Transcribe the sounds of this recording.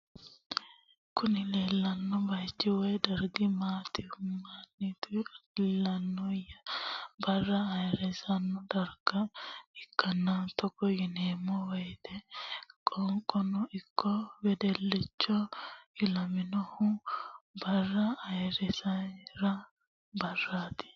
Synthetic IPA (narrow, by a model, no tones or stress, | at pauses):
kʊnɪleːlːɐnːɔbɐjt͡ʃːɪwɔjd̪ɐɾɡɪmaːt̪ɪhʊmanːit̪ʊlːɐnːɔjɐbɐrːɐɐjɾɛsɐnːɔd̪ɐɾɡ̥ɐɪkːɐnːant̪ɔkːɔjɪneːmɔwɐjt̪ɛkʼɔŋkʼɔnʊʔɪkʰːɔwɛd̪ɛlːɪt͡ʃːɔjɪlɐmɪnɔhʊ | bɐrːɐːjɾɛsɐɾɐ | bɐrːaːt̪ɪ̥